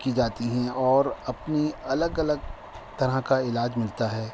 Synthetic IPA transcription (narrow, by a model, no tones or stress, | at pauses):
kid͡ʒaːt̪iɦɛ̃ɔːɾɐpniɐləɡɐləɡ̚ | t̪ɐɾakaɪlaːd͡ʒmɪlt̪aɦɛː